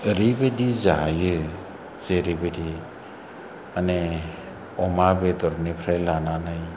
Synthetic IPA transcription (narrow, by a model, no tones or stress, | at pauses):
əɾibedizajɯ | z̥eɾibedi | ane | ɔmabedɔɾnipʰɾajlananaj